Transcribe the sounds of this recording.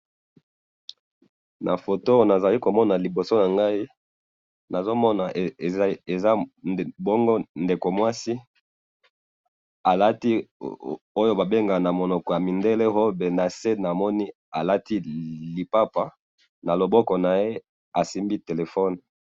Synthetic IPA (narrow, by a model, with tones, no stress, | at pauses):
na̰˨fo˨to˦na˨za˨li˦ko˨mɔ˦na˨li˨bo˨so˦na˨ŋɡa˦i˦ | na˨zo˦mɔ˦na˨˦ | e˨za˦˨bɔ˦ŋɡo˦nde˨ko˨mwa˦si˦ | a˨la˦ti˦ | o˦jo˦ba˨be˦ŋɡa˨na˨mo˨nɔ˨kɔ˨ja˨mi˨nde˦le˦ɦo˦be˨na˨se˦na˨mɔ˦ni˦ | a˨la˦ti˦li˨pa˦pa˨ | na˨lo˨bɔ˦kɔ˨na˨je˦ | a˨si˦mbi˦te˨le˨fɔ˦n